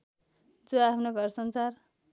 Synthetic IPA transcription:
d͡zoapʰnoɡʱʌrsʌnt͡sar

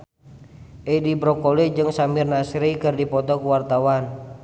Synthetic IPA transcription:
ʔɛdibɾɔkɔlɛd͡ʒɨŋsamirnasɾikɨrdipɔt̪ɔkuwart̪awan

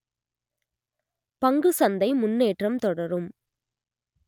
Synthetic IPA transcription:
pɐŋɡɯsɐnd̪ɐɪmʊnːeːʈrɐmt̪ɔɽɐɾɯm

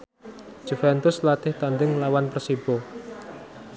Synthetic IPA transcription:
d͡ʒ̥ufɛnt̪ʊslat̪ɪht̪and̪ɪŋlawanpərsib̥ɔ

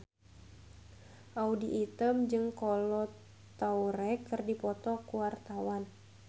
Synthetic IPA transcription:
ʔaudiʔit̪əmd͡ʒɨŋkɔlɔt | t̪auɾɛkɨrdipɔt̪ɔkuwart̪awan

